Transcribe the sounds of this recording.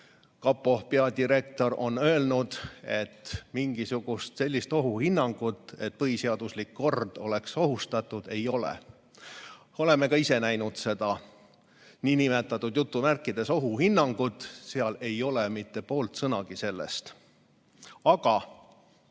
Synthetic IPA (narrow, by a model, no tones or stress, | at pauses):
kɑpːˑo̞hpeɑd̪iɾe̞k̚t̪o̞ɾʔo̞̰nø̞eːlnud̪̥e̞̰t̪ːmiŋɡ̥isuɡ̥ust̪se̞lʲːist̪o̞ɦuhinːɑŋɡ̥ut̪ːˑe̞t̪̚pɤɦiseɑd̪̥uslikːo̞rd̪̥o̞le̞kso̞ɦust̪ɑt̪ːˑud̪̥e̞jo̞lḛ | o̞le̞mːekɑise̞næjnud̪̥se̞d̪̥ɑ | niːnimet̪ːˑɑt̪ːˑud̪̥jut̪ˑːumærkːˑid̪̥e̞so̞ɦuhinːɑŋɡ̥ut̪ːˑseɑle̞jo̞lemit̪ːe̞po̞ːlt̪sɤnɑɡ̥ise̞lːḛst̪ | ɑɡ̥ɑ